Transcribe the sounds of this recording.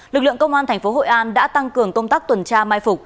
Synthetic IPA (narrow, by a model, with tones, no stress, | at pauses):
lɨ˨˩k̚lɨ̰˧˨əŋkə˧wŋ͡mʔaː˧nt̪ʰɛ˨˩ŋ̟fo˨˦ɦo̰˧˨ʔaː˧nɗa̰ː˧˥t̪a˧ŋkɨ˨˩əŋkə˧wŋ͡mt̪aː˦˥k̚t̪wə˨˩nt͡ɕaː˧maː˧jfʊ˨˩k͡p̚